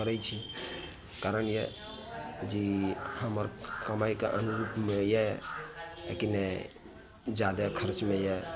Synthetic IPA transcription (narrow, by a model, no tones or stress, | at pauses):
əɾɛt͡ʃʰi | kaɾənjḛ | d͡ʒihəməɾkəmajkeʔənuɾupmejɛ | ḛkinɛ | d͡ʒad̪akʰəɾt͡ʃmeje